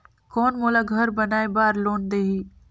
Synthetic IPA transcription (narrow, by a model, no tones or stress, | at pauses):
kɔːnmoːlaɡʱɐɾbɐnaːebaːɾloːnd̪eːɦiː